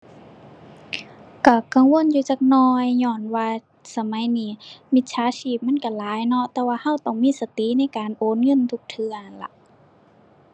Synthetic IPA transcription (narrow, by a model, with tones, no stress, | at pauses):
ka˧˩ka˧˨ŋwo˧˥˨njuː˧t͡ɕaː˧k̚nɔː˧jɲɔː˧˩nwaː˧ | sa˧ma˨˦jniː˧˩˨mi˧t̪̚t͡ɕʰaː˨˧˥sʰiː˧˩p̚ma˧˥˨nka˧˩laː˨˦jnɔ˧˥˨ʔt̪ɛː˧waː˧ha˧˥˨wt̪ɔ˧˩ŋmiː˧˥˨sa˧t̪i˧˥˨na˧˥˨jkaː˨nʔoː˨˦˨nŋɤ˧˥˨nt̪ʰu˧k̚t̪ʰɯ˧əa˨la̰˧ʔ